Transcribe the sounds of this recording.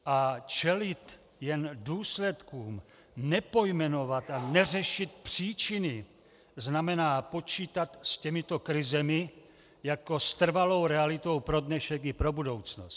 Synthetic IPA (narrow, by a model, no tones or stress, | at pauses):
ʔat͡ʃɛlɪt̪ | jɛnduːslɛt̪kuːm | nɛpo̞jmɛno̞vat̪anɛrɛʃɪt̪̚pr̝̥iːt͡ʃɪnɪ | znamɛnaːpo̞t͡ʃiːt̪at̪scɛmɪt̪okɾɪzɛmɪ | jako̞st̪r̩valo̞wɾɛalɪt̪o̞wpɾo̞dnɛʃɛkɪpɾo̞budo̞wt͡snost̪